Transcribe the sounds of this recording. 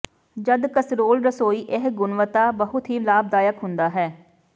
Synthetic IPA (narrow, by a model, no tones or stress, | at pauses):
d͡ʒəd̪kəsɾoːlɾəsoːiːʔɪɦɡʊnʋət̪aːbəɦʊt̪ɦiːlaːb̚d̪aːjəkɦʊnd̪aːɦɛː